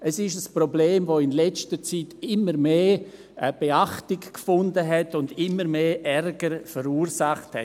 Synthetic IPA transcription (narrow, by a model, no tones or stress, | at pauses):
əsɪʃəsprobleːmvoːɪnlɛt͡stət͡sitɪməɾmeː | b̥eaχtɪkkfʊndəɦɛtʊndɪmːəɾmeːʔɛrɡəɾfəɾuːɾsaχthɛ̰